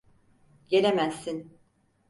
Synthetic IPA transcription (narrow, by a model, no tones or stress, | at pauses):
ɟeɾemæzːin